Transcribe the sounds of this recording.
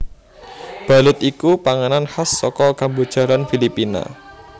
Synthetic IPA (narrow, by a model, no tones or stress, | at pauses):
b̥a̤lʊt̪ikupaŋananhasːɔkɔkambud̥ʒ̥a̤ɾanfilipina̰